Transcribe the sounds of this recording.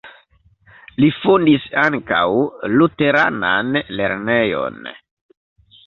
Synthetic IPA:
lifundisaŋka̰wlute̞ɾa̰nanle̞ɾne̞jo̞̰n

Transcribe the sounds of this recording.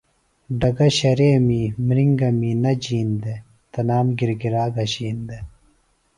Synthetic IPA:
ɖɐɡɐɕɐɾeːmimɾiŋɡɐmiːnɐd͡ʑiːnd̪e | t̪ɐnaːmɡiɾɡiɾaːɡɐɕiːnd̪e

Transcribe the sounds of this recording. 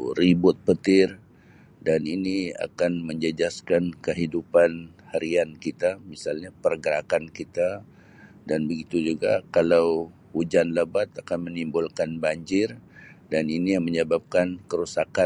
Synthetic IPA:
ɾibʊt̪̚pət̪ɪr | daninia̰kanməɲd͡ʒəd͡ʒaskankəɦidupan | haɾiankit̪amisalɲapərɡəɾakankit̪a | danbəɡit̪ud͡ʒuɡakalaw | ud͡ʒanləbat̪akanmənimbʊlkanbaɲd͡ʒɪrdaninijaŋməɲəbap̚kankəɾusaka

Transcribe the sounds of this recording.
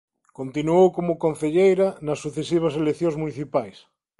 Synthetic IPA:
kont̪inuowkomokõn̟θeʎejɾanasːuθesiβ̞aselekθjõŋzmuniθipajs

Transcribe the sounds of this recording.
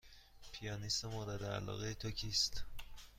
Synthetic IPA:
pʰijɒːnisemoːɾed̪eæ̰lɒ̰ːɣejet̪ʰocʰiːst̪

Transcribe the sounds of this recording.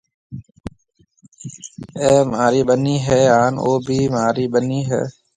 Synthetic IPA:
eːmaːɾiːɓəniːɦɛːaːnoːbʱiːmaːɾiːɓəniːɦɛ̰ː

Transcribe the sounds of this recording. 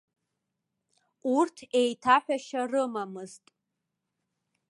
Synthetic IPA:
urtʰe̞jtʰaħʷᶣaʃarɨmamɨztʼ

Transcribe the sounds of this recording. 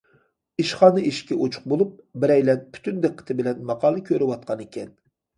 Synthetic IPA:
iʃχɑːnɨʔiʃkʲɛʔot͡ʃʰʊ̥χq̚bolˠup̚bɪɾɛjlɛnpʰy̥t̪ynd̪eqʰːə̥t̪ʰɪbɪlɛnmɑqʰɑːlˠɨkʲʰøɾɪwɑt̪̚qʰɑnekʲʰɛn

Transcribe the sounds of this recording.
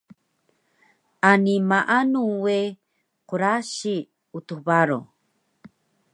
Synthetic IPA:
animaʔanuwe | quɾaɕi | ut̪ubaɾo̰

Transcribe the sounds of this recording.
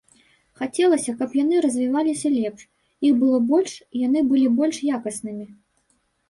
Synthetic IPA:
xat͡sʲɛlˠɐsʲɐkɐpjanɨɾɐzʲvʲivalʲisʲɐlʲɛpʂ | ixbɨlˠɔbɔlʲʂjanɨbɨlʲibɔlʲʂjakɐsnɨmʲi

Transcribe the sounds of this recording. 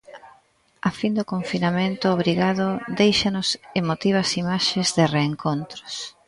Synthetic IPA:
afind̪okoɱfinamẽnt̪ʊːβɾiɣaðʊd̪ejʃanʊsemot̪iβ̞ɐsimaʃezðɪreːŋkont̪ɾʊ̥s

